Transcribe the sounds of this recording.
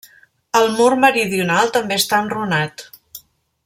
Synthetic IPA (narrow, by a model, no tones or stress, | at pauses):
əlˠmurməɾiðiunalˠt̪əmbeəst̪aənrunat̪